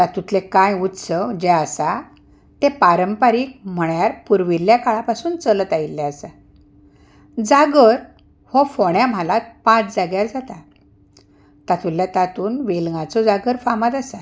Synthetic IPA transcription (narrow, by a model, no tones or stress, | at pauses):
t̪at̪ut̪lekãjut̪səd͡ʑɛəsa | t̪ẽpaɾəmpaɾiːk̚m̤əɳjaɾpuɾʋilːjakaɭapasuːnt͡sələt̪ailːɛəsa | d͡zaɡəɾ | hɔfɔɽ̃jam̤alat̪̚pãt͡sd͡zaɡjaɾd͡zat̪a | t̪at̪uljat̪at̪uːnʋelɡat͡sɔd͡zaɡəɾfamat̪asa